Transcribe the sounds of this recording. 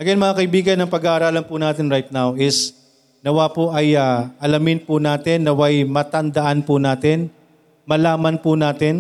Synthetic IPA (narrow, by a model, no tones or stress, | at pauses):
ɐɡɐnmɐŋakɐʔɪbiːɡɐnːɐŋpɐɡaʔɐɾaːlɐnpʊnaːt̪ɪnɾajt̪̚nawʔɪs | nɐwaːpoʔɐjaʔɐlɐmɪnpʊnaːt̪ɪnːɐwajmɐt̪ɐnd̪ɐʔanpʊnaːt̪ɪn | mɐlaːmɐnpʊnaːt̪ɪn